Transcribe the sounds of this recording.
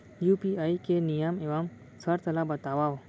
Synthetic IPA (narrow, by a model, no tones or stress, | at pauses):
juːpiaːikenijəmeʋam | səɾt̪ɐlabət̪aʋa